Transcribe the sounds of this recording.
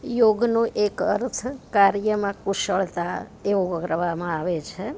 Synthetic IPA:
joɡnũʔekəɾt̪ʰkaɾjəmãkuʃəɭt̪aeʋoəɡʱɾəʋamãaʋet͡ʃʰe

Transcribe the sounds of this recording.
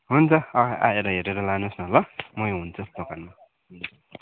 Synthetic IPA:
ɦunt͡sʰʌʌa̰eɾʌɦeɾeɾʌlanusnʌlʌmʌj̃ɦunt͡sʰʌd̪okanma | ɦʌd͡zu

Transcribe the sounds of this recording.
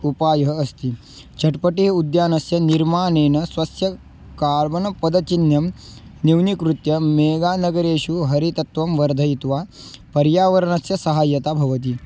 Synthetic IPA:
upaːjɐɦɐɐst̪i | t͡ʃʰɐʈpɐʈiɦɐud̪jaːnɐsjɐniɾmaːneːnɐsʋɐsjɐ | kaːɾbɐnɐpɐd̪ɐt͡ʃinjɐmniwnikɾut̪jɐmeːɡaːnɐɡɐɾeːʃuɦɐɾit̪ɐt̪ʋɐmʋɐɾd̪ʱɐjt̪ʋaː | pɐɾjaːʋɐɾɐɳɐsjɐsɐɦaːjɐt̪aːbʱɐʋɐt̪̬i

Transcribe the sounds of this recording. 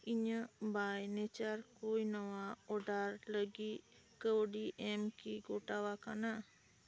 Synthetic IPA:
iɲəbajnɛt͡ʃaɾkojnəwaɔɖaɾləɡi | kəwɖiʔɛmkiɡɔʈawakana

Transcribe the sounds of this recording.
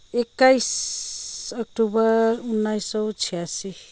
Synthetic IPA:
ekːajs | ʌk̚ʈubʌɾunːajsːʌt͡sʰijasi

